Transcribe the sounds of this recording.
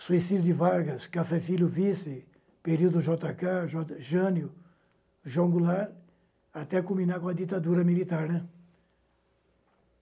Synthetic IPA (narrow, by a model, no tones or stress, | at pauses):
suisid̪jʊd̪ɪvaɾɡɐskafɛfiljʊvisɪ | peɾiwd̪ʊʒɔt̪akaʒɔʒɐ̃njʊ | ʒõŋɡulaɾ | at̪ɛkũmĩnaɾkõɐd̪it̪ad̪uɾɐmilit̪aɾnɛ̃